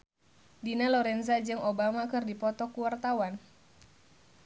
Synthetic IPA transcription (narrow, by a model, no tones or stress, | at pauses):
dinalɔɾɛnzad͡ʒɨŋobamakɨrdipɔt̪ɔkuwart̪awan